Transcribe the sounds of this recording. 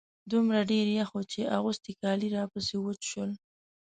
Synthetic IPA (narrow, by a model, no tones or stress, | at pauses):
d̪umɾaɖeɾjaxot͡ʃeʔaɣust̪ikɑliɾɑpəsewət͡ʃʃəl